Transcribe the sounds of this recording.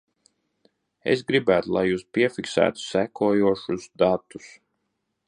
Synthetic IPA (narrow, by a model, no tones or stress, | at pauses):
ḛs̬ɡɾibæːt̪ulˠa̰juːspiɛfiksæ̰ːt̪u̥sækuɔjuɔʃusd̪at̪ːu̥s